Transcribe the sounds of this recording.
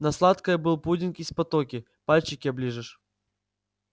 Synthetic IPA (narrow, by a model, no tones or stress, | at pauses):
nɐslˠat̪kəjəbɨlˠpudʲɪnkispɐt̪okʲɪ | palʲt͡ɕɪkʲɪɐblʲiʐɨʂ